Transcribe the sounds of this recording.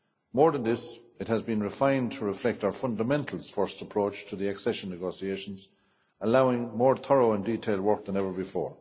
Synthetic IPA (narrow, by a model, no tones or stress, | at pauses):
mɔːɹðə̃nðɪsɪt̚həzbĩnɹɪfãɪ̃ntʰəɹɪflɛk̚taʊə˞fʌ̃ndəmɛ̃ntʰl̩ˠsfɔɹstəpʰɹ̥oʊt͡ʃtʰəðiɛksɛʃə̃nːɨɡoːsieɪʃə̃nz | əlaʊɪ̃ŋmɔːɹθʰɔɹoʊə̃nditʰeɪlˠdwɜ˞k̚ðə̃nɛvə˞bɨfɔ̰ːɹ